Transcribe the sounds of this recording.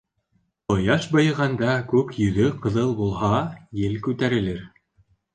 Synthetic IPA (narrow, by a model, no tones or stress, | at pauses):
ŏjɑʃbɤ̆jʁɑnd̪ɑkʉkjɵ̆ðɵqɤ̆ðɤlˠbulˠhɑjɘlkʉt̪æɾɘ̆lɘɾ